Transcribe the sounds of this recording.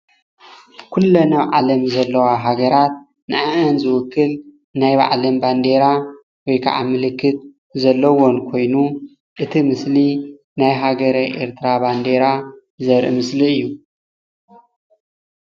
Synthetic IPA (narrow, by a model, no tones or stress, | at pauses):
kʰulːɐnɐβʕalɐmzɐlːɐwaɦaɡɐɾat̪̚ | nɨʔaʔɨnzɨwʊkːɨl | najba̰ʕlɐmband̪e̞ɾa | wɔjkʰa̰ʕa̰mɨlɨkːɨt̪̚ | zɐlːɐwonkʰo̞jnu | ʔɨt̪ʰimɨsli | najɦaɡɐɾɐʔe̞̰ɾt̪ʰɾaband̪e̞ɾa | zɐɾʔɨ̰mɨsliɨjːu